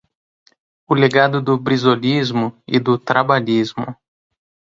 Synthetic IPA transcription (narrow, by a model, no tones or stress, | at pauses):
ʊleɡad̪ʊd̪ʊbɾizolizmʊɪ̰d̪ʊt̪ɾabaʎizmʊ̰